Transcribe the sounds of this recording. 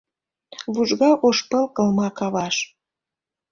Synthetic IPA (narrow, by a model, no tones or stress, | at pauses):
βuʒɣɑʔoʃpəlkə̆lmɑkɑβɑʃ